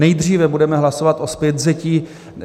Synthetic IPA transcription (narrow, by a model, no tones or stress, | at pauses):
nɛjd̪r̝iːvɛbudɛmɛɦlasovat̪ʔospjɛt̪zɛciː